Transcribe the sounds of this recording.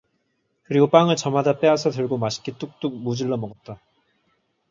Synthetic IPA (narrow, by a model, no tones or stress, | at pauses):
kɯɾiɡop͈aŋɯɭt͡ɕʌmadap͈e̞asʰʌtɯɭɡomaɕʰi̥k͈ʰit͈uk̚t͈uk̚mud͡ʑiɭːʌmʌɡʌt̚t͈a